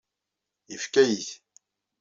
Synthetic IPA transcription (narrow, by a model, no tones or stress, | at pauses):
ifkæjiθ